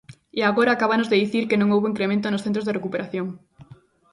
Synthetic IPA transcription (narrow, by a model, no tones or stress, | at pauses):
eaɣoɾaːkaβanozðeðiθiɾkenõŋowβoiŋkɾemẽnt̪̬onosθent̪ɾozðerekupeɾaθjoŋ